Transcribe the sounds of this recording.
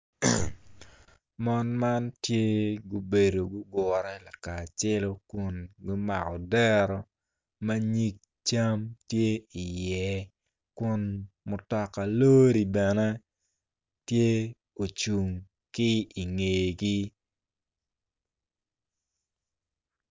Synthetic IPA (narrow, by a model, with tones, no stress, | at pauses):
mɔ˦nma˦ntje˦ɡu˦be˨do˨ɡʊ˦ɡɔ˨ɾɛ˦la˨ka˨t͡ʃe˦lo˦kʊ˦nɡʊ˦ma̰˨kɔ˨dɛ˦ɾɔ˨ | ma˦ɲi˦k̚ | t͡ʃa˦mtje˦i˨jɛ˨ | kʊ˦nmʊ˨tɔ˦kːa˨lo˦ɾi˨bɛ˨nɛ˦ | tje˦ | o˨t͡ʃu˨ŋ | kɪ˦i˨ŋe˨ɡi˦